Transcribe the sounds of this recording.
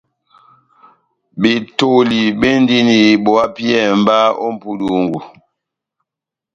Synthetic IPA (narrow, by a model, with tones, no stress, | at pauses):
bi˨to˨li˨be˦n˦di˦ni˨bɔ˨a˦pjɛ˦˨m˦ba˦ɔ̰˦m̩˨pu˦du˨ŋ˨ɡu˨